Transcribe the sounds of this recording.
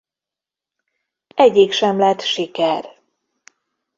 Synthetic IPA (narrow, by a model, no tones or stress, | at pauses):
ɛɟiːkʃɛmlɛt̪ʃikɛr